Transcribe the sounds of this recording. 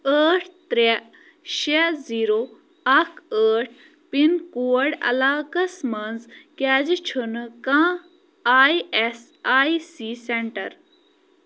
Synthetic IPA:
əːʈʰt̪ɾe | ʃeziːɾoː | ɐkəːʈ̚ʰ | pinkuːəɽɐ̰laːkɐsmɐnzkaːd͡ʒt͡ʃʰunkãː | aːjes | aːisiːseɳʈɐ̰ɾ

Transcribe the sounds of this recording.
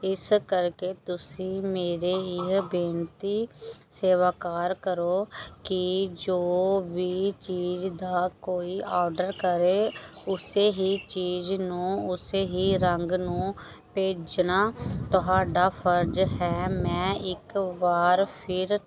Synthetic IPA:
ɪskəɾkeːt̪ʊsĩːmeːɾeːɪɦbeːnt̪iːseːʋaːkaːɾkəɾoːkɪd͡ʒoːʋiːt͡ʃiːd͡ʒd̪aːkoːiːʔɔːɾɖəɾkəɾeː | ʊseːɦiːt͡ʃiːd͡ʒnũːʊseːɦiːɾəŋɡnũː | peːd͡ʒnaːt̪ʊɦaːɖaːpʰəɾd͡ʒɦɛːmɛ̃ːɪkbaːɾpʰɪɾ

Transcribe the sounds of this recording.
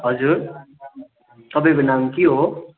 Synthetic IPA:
ɦʌd͡zuɾ | t̪ʌbẽbinamkiɦo

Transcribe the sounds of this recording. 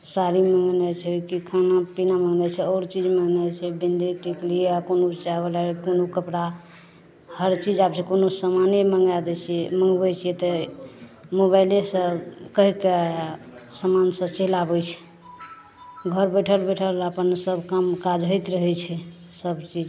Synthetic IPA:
saɾiməŋɡnɛt͡ʃʰɛkikʰanapinaməŋɡnɛt͡ʃʰɛɔːɾt͡ʃid͡ʒməŋɡnɛt͡ʃʰɛbind̪iʈikliakonot͡ʃabəlakonokəpɽa | həɾt͡ʃid͡ʒapsẽkonosamaneməŋɡad̪ɛt͡ʃʰiməŋɡbɛt͡ʃʰijɛt̪ə | moβajlesəkəɦikeasəmansət͡ʃeɦlabəjt͡ʃʰɛ̥ | ɡʱəɾbəʈʰəlbəʈʰəlapənsəbkəmkad͡ʒɦəjt̪ɾəɦɛt͡ʃʰɛ | səbt͡ʃid͡ʒ

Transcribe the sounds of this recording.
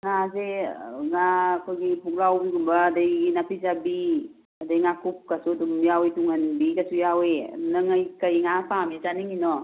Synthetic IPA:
ŋazeŋakɔɡipuɡlawbiɡumbaːdajɡinapizabi | adajŋakup̚kasudumjawetuŋanbikasujawenaŋajkajŋapamizaniŋinɔ

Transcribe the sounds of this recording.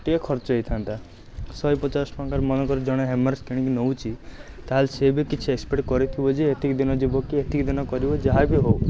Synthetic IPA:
ʈiekʰɔɾt͡ʃɔɦet̪ʰant̪a | sɔjpɔt͡ʃasɔ̥pakaɾmɔnɔkɔɾɔd͡ʒɔɽ̃ɔɦemaɾskiɽ̃ikinowt͡ʃʰi | t̪aɦalsebikit͡ʃʰiekspeʈkɔɾit̪ʰibɔd͡ʒeet̪ʰikd̪inɔd͡ʒibɔkiet̪ʰikd̪inɔkɔɾibɔd͡ʒaɦabiɦow

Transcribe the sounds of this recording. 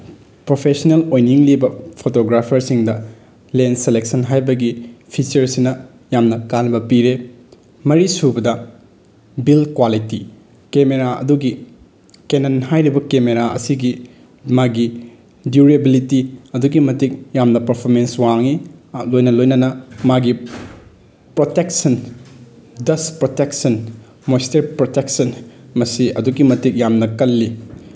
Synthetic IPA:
pɾopʰesɐnelojniŋlibɐpʰotoɡɾapʰɐɾsiŋdɐ | lenselek̚sɐnɦajbɐɡipʰit͡ʃɐɾsinɐ | jamnɐkanbɐpiɾe | mɐɾisubɐdɐ | bilkwaliti | kemeɾaɐ̰duɡi | kenɐnɦajɾibɐkemeɾaʔɐ̰siɡi | maɡi | duɾebilitiɐduɡimɐtik̚jamnɐpɐɾpʰoɾmenswaŋilojnɐlojnɐnɐmaɡi | pɾoteksɐn | dɐspɾoteksɐn | mojsteɾpɾotek̚sɐnmɐsiɐ̰duɡimɐtik̚jamnɐkɐlːi

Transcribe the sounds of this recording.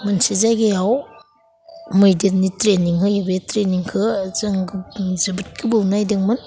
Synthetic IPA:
mɐnsizajɡejaw | mɯjdennitɾeniŋhʰɯjɯbetɾeniŋkʰɯzɐŋɡzɐbit̚kʰibɯwnajdiŋmɯn

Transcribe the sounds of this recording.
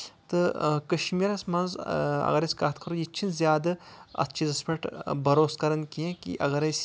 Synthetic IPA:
t̪ɨkɐʃmiɾɐsmɐnzɐ̰ɡɐɾɐsʲkɐt̪ʰkʰɐɾojit͡ʃʰinzjaːd̪ɐɐ̰tːt͡ʃʰizɐspʰɐʈbɐɾoːskɐɾɐnkiẽkḭʔɐɡɐɾɐsʲ

